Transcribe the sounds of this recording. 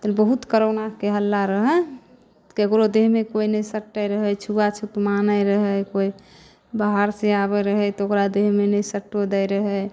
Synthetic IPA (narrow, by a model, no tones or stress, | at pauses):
t̪əlbəɦut̪kəɾonakeɦəlːaɾəɦɛ | kekɾod̪eɦmekoinəsəʈːəjɾəɦɛjt͡ʃʰuat͡ʃʰut̪manəjɾəɦəjkoi | baɦaɾseaβɛɾəɦɛt̪okɾad̪eɦmenəjsəʈod̪əjɾəɦɛj